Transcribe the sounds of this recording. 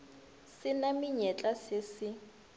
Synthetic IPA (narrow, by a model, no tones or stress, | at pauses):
sɪnamɪɲɛt͡ɬʼasɪsɪ